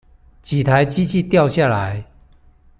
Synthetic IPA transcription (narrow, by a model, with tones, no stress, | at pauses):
t͡ɕi˨˩t̪ʰa˨˦ɪt͡ɕi˥t͡ɕʰi˥˨t̪jɑ˥˧ʊɕja˥˨la˨˦ɪ